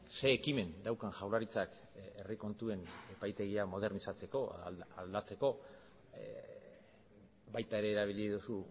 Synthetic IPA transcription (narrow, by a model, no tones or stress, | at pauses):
se̞ːkime̞nd̪awkanʝawlaɾit͡sak | e̞riko̞nt̪ue̞ne̞pajt̪e̞ɣ̞iamo̞ð̞e̞ɾnisat͡se̞ko̞ald̪at͡se̞ko̞ | bajt̪ae̞ɾe̞ːɾaβ̞iliðusu